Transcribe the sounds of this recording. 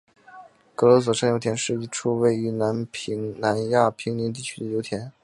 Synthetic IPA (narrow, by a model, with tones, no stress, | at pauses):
kɤ˧˥lɔ˧˥s̬wɔ˧˩ʂɤ˥ŋjo˧˥t̪ʰjɛ˧˥nʂɻ̩˥˩i˧˩ʈ͡ʂʰu˥we˥˩ɪy˧˥na˧˥nʰ˧˥na˧˥nja˥˩pʰi˧˥ŋni˧˥nt̪̬i˥˩t͡ɕʰy̥˥d̪ə˨jo˧˥ʊt̪ʰjɛ˧˥n